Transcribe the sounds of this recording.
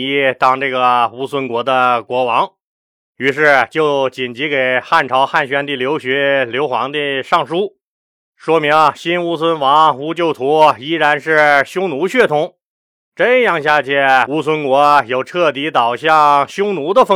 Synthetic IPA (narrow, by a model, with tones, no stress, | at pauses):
i˥t̪ɑ˥˩ŋʈ͡ʂɤ˥˩ɡə˩u˥swə˥nkwɔ˧˥d̪ə˧kwɔ˧˥wɑ˧˥ŋ | y˧˥ʂ̬ɻ̩˥˩t͡ɕjo˥˩ʊt͡ɕi˨˩nt͡ɕi˧˥ke˨˩ɪxa˥˩nʈ͡ʂʰɑ˧˥ʊxa˥˩nɕɥɛ˥nt̪i˥˩ljo˧˥ʊɕɥɛ˧˥ljo˧˥ʊxwɑ̰˧˥ŋd̪i˥˧ʂɑ˥˩ŋʂu˥ | ʂwɔ˥mi˧˥ŋɐ˧ɕi˥nu˥swə˥nwɑ˧˥ŋu˧˥t͡ɕjo˥˩ʊt̪ʰu˧˥˧i˥ɻa˧˥nʂɻ̩˥˩ɕjʊ˥ŋnu˧˥ɕɥɛ˥˩t̪ʰʊ˧˥ŋ | ʈ͡ʂə˥njɑ˥˧ŋɕja˥˧t͡ɕʰjɛ˥˩u˥sʰwə˥nkwɔ˧˥jo˨˩ʊʈ͡ʂʰɤ˥˩t̪i˧˥t̪ɑ˨˩ʊɕjɑ˥˩ŋɕjʊ˥ŋnu˧˥d̪ə˧fə˥